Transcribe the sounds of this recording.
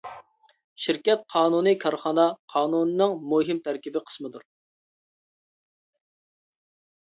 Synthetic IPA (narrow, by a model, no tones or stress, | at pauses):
ʃiɾkʲɛt̪̚qʰɑːnunɨkʲʰɑɾχɑnɑqʰɑːnunɨnɨŋmuɦimt̪ʰæɾkʲibɪqʰə̥smɨd̪uɾ